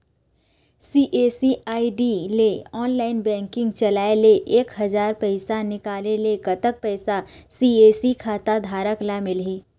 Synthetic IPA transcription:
siːʔeːsiaːiɖileɔːnlaːɪnbɛ̃ːŋkɪ̃ŋɡt͡ʃɐlaːeleʔeːkɦɐzaːɾpəɪsanɪkaːleleɡɐt̪ək̚pɛːsasiːeːsikʰaːt̪ad̪ʱaːɾəklamɪlɦiː

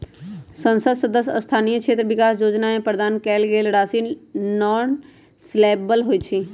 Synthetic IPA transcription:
sə̃nsəd̪səd̪əsst̪ʰaːnijəkʃʰeːt̪ɾəʋɪkaːsjoːd͡ʒnaẽpɾəd̪aːnkɛːlɡeːlɽaːsiːnɔːn | sleːbəlɦoit͡ʃʰiː

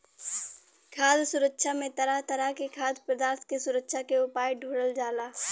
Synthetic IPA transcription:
kʰaːd̪sʊɾəkʃamẽt̪ɐɾat̪ɐɾakekʰaːd̪pɾəd̪aːɾt̪kesʊɾəkʃakeʊpaːjɖʱuːɽəld͡ʒaːlaː

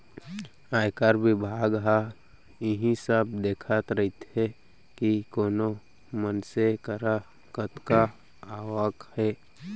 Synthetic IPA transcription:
aːjkəɾbɪbʱaːɡɦa | ɪɦĩsəb̚d̪eːkʰət̪ɾəɦit̪ɦe | kikoːno | mənsekəɾa | kət̪ka | aːwəkhɛː

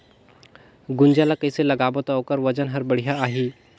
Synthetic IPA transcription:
ɡʊnd͡ʒalakəjselɐɡaːbot̪aokəɾʋəd͡ʒənɦəɾbəɽ̤ijaaɦiː

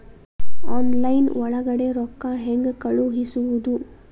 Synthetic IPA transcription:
aːnlɐjnʋɔɭɐɡɐɽeɾɔkːaɦeŋɡkɐɭuɦisuʋud̪u

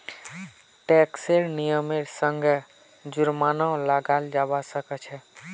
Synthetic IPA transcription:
ʈɛkseɾnijəmeɾsəŋɡʱe | d͡ʒuɾmanɔ̃laɡald͡ʒabasəkɛt͡ʃʰɛ

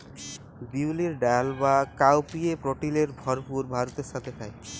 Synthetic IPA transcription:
biwliɾɖaalbakawpiepɾoʈileɾbʱɔɾpuɾbʱaɾot̪eɾʃat̪ʰet̪ʰae

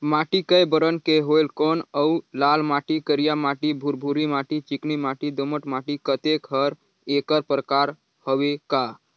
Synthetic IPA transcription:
mãːʈikəjbəɾənkeɦolkonəlaːlmaʈikəɾijamaːʈibʱuɾbʱuɾimaʈit͡ʃiknimaʈid̪oməʈmaːʈikət̪ekɦəɾ | eːkəɾpɾəkaːɾ | həweka

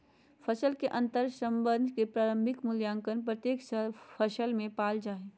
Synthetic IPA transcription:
fʰɐsəlkeʔɐ̃nt̪əɾsə̃mbənd̪ʱkepɾaːɾə̃mbʱɪkmʊljaːŋkənpɾət̪jeːksəfʰəʃəlmẽpaːld͡ʒaːɦeː

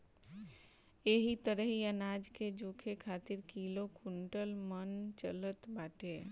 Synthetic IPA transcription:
eɦit̪əɾəɦiənaːd͡ʒked͡ʒoːkʰekʰaːt̪ɪɾkilokʰuɳʈəlmənt͡ʃələt̪baːʈe

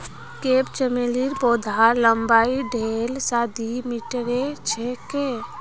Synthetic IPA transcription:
keːpt͡ʃəmeliɾboːd̪ʱaləmbaːiɖʱeːlsaːd̪ʱimɪʈɾet͡ʃʰeke

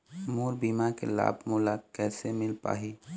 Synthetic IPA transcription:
muːɾbiːmakela̰ːbʱmulakɛːsemɪlpa̰ːɦi

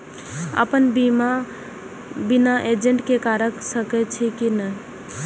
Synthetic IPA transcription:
ə̰pənbima | binaʔed͡ʒeɳʈkekaɾəksəkɛt͡ʃʰikinə

